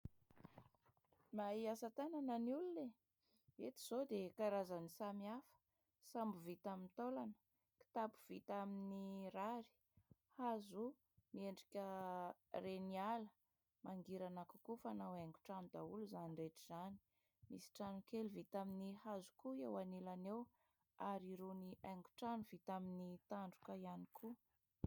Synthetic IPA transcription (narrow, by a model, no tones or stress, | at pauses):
maiasat̪anananiulune | et̪i̥z̥od̪ekaɾazanisamiafə̥ | sambuvit̪amint̪olanə̥ | ki̥t̪apu̥v̥it̪aminiraɾi̥ | hazu | mieɳɖ͡ʐikʲə | renialə | maŋɡiɾanakukufanaweŋɡuʈ͡ʂanud̪auluzanireʈ͡ʂiz̥ani̥ | misi̥ʈ͡ʂanukeluvit̪aminihazu̥kuewanilanew | aɾiɾuniʔeŋɡu̥ʈ͡ʂanuv̥it̪aminit̪aɳɖ͡ʐukəianikʰu